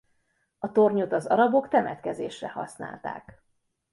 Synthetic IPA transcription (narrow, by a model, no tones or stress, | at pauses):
ɒt̪o̞rɲot̪ɒzɒɾɒbo̞kt̪ɛmɛt̪kɛzeːʃrɛhɒ̰sna̰ːlt̪a̰ːk